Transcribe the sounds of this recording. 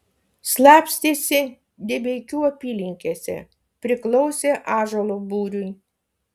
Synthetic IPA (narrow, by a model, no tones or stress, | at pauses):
slˠɑːpʲsʲt̪ʲesʲɪ | d̪ʲebʲeɪkʲuːɐpʲiːlʲɪŋʲkʲeːsʲɛ̰ | pʲɾʲɪklˠɔʊsʲeːʔɑːʒɐlˠobuːɾʲʊj